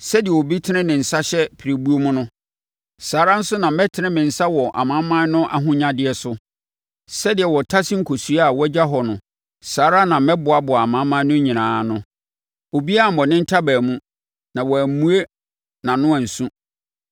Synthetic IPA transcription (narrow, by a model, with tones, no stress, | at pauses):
sɛ˦dɪ˨ɛ˨wo˨bi˦tʰɪ˦nɪ̃˦nɪ̃˨n̩˨sa˦ɕɛ˦pʰi˨ɾe˨bu˦o˦mʊ̃˦nʊ̃˦ | saː˨˦ɾa˦n̩˦sʊ˦nã˨m˦mɛ˦tʰɪ˨˦nɪ̃˦mɪ̃˨n̩˨sa˦wɔ˨ʔa̰˨mã˨˦mːã˦nʊ̃˦ʔa̰˨˦ɦʊ̃˦ɲã˦dɪ˨ɛ˨sʊ˦ | sɛ˦dɪ˨ɛ˨wɔ˨tʰa˦sɪ̃˦ŋ̩˨kʰo˨su˨˦a˨wɔ˦d͡ʑa˦ɦɔ˨nʊ̃˨ | saː˨˦ɾa˦nã˨mɛ˦bʊ˨a˨bʊ˨a˨mã˨˦mã˦nʊ̃˦ɲĩ˨nãː˨˦nʊ̃˦ | o˨bi˦a˦˨m̩˨ɔ˨nɪ̃˦n̩˦tʰa˦bæː˨mũ˦ | nã˨wɔ˨æ˨mũ˦e˦ | nã˨nʊ̃˦æ̃˨n̩˨sũ˦